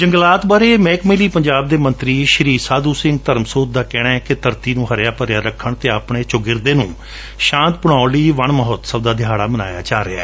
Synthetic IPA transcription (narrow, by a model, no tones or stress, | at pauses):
d͡ʒəŋɡlaːt̪baːɾeːmɛːkmeːliːpəɲd͡ʒaːb̚d̪eːmə̃nt̪ɾiːʃəɾiːsaːd̪uːsɪŋɡ̚t̪əɾmsoːt̪̚d̪aːkɛːɽaːɛkɪt̪əɾt̪iːnũːɦəɾjaːpəɾjaːɾəkʰːəɳt̪eːəpɳeːt͡ʃʊɡɪɾd̪eːnũː | ʃãːnt̪̚pʊɽ̃aːliːʋəɳməɦɔt̪səb̚d̪aːd̪ɪjaːɽaːməna̰ːja̰ːt͡ʃaːɾea̰ː